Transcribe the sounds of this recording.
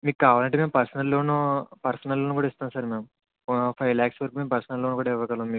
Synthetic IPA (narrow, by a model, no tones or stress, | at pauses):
miːk̚kːaːʋaːlɐɳʈ̬emeːmpɐɾsɐnɐlːoːnɐpɐɾsɐnɐlːoːnukuːɽaist̪aːnsaːɾmeːm | pʰɐjlaːksʋɐɾkuːmeːmpɐɾsɐnɐlːonɐkuːɽaiʋɐkɐlɐːmmiːk